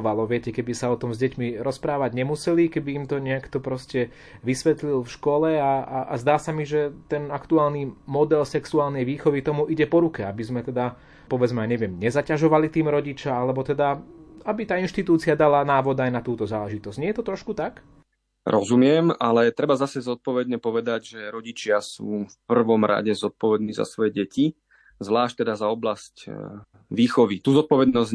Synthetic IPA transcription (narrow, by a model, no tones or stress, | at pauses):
ʋalɔʋɪɛcɛkɛbisaɔt̪ɔmzɟɛcmiɾɔspɾaːʋaɟɲɛmusɛlikɛbiːmt̪ɔɲɪɛkt̪ɔpɾɔscɛ | ʋisʋɛt̪lilfʃkɔlɛaaʔazd̪aːsamiʒɛt̪ɛnakt̪uaːlnimɔd̪ɛlsɛksuaːlnɛjʋiːxɔʋit̪ɔmuʔiɟɛpɔɾukɛabizmɛt̪ɛd̪a | pɔʋɛd͡zmɛajɲɛʋɪɛmɲɛzacaʒɔʋalit̪iːmɾɔɟit͡ʃaalɛbɔt̪ɛd̪aabit̪aːinʃt̪it̪uːt͡siad̪alanaːʋɔd̪ajnat̪uːt̪ɔzaːlɛʒit̪ɔz̥ɲɛjɛt̪ɔt̪ɾɔʃkut̪ak | ɾɔzumɪɛmalɛt̪ɾɛbazasɛzɔt̪̚pɔʋɛd̪ɲɛpɔʋɛd̪aɟʒɛɾɔɟit͡ʃɪasuːfpr̩ʋɔmɾa̰ɟɛzɔt̪̚pɔʋɛd̪̚niːza̰sʋɔjɛɟɛci | zʋlaːʃ̚t̪ɛd̪azaɔblasc | ʋiːxɔʋit̪uːzɔt̪̚pɔʋɛd̪nɔz